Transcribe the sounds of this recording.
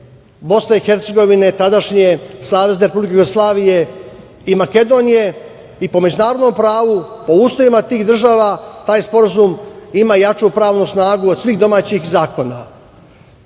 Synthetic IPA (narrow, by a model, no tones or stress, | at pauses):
bo̞sne̞ixe̞ɾt̪se̞ɡo̞ʋine̞t̪ad̪aʃɲe̞saːʋe̞zeɾe̞publikejuɡoslˠaːʋije̞ | imake̞d̪o̞ːnije̞ | ipo̞me̞d͡ʒunaːɾod̪no̞mpɾaːʋupo̞uːsloʋimat̪iːɣd̪r̩ʒaːʋat̪aːjspo̞ɾazumimajat͡ʃupɾaːʋnusnaːɡuod̪sʋiːxd̪o̞maːt͡ɕixzaːko̞na